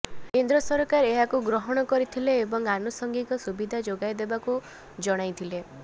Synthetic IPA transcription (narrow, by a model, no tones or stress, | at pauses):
kend̪ɾɔsɔɾkaɾeɦakuɡɾɔɦɔɽ̃ɔkɔɾit̪ʰileːbɔŋanusɔŋɡikɔsubid̪ʱad͡ʒoɡajd̪ebaku | d͡ʒɔɽ̃ajt̪ʰile